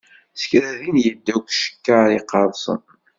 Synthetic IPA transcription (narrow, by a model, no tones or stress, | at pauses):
sə̥çɾæðinjəd̪ːækʷʃə̥kːaɾiqɑðˤsˤə̰n